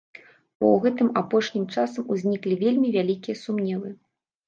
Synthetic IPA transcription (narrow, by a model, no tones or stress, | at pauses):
bɔ̰wɣɛt̪ɨmapɔʂnʲimt͡ʂasɐmuzʲnʲiklʲivʲelʲmʲivʲalʲikʲijɐsumnʲɛlˠɨ